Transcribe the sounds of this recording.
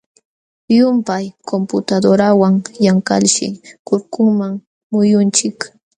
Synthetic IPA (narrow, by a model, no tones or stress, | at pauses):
jʊmpajkʰompʊt̪ad̪oɾawaŋjaŋka̰lʃɪ̰kʊɾkʊŋmaŋ | mʊjʊnt͡ʃɪk